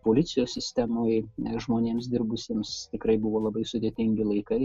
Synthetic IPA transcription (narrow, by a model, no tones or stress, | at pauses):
poːlʲɪt̪sʲɪjoːssʲɪsʲt̪ʲɛmoːjʒmoːnʲeːms̬d̪ʲɪrbʊsʲeːmst̪ʲɪkɾɐɪbʊʋoːlˠɐbɐɪsʊd̪ʲeːt̪ʲɪŋʲɡʲɪlˠɐɪkɐɪ